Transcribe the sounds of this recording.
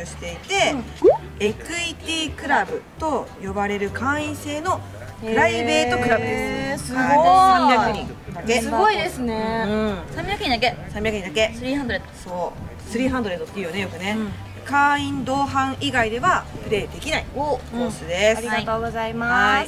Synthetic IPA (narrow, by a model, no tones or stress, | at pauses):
ɯɕi̥t̪e̞it̪e̞ | ekɯ̟it̪ʲiːkɯ̟ɾabɯ̟t̪o̞jo̞baɾe̞ɾɯ̟kʰãĩɰ̃se̞ːno̞ | pɯ̟ɾaibe̞ːt̪o̞kɯ̟ɾabɯ̟d̪esãmakɯɲid̪ake̞sɡoid̪esɨneɯ̟̃sãmʲiɾakaɲid̪akesãmʲiɾakɯ̟id̪ake̞sɨɾʲiːãnd̪oɾet̪soː | sɨɾʲiːɦãnd̪oɾet̪ːot̪ːeiɯjone̞jo̞kɯ̟ne̞ | kãĩnd̪o̞ːɦãɰʔiɡaid̪e̞βapɯ̟ɾe̞ːd̪e̞kʲinaĩsɨd̪est̪ːɡozaima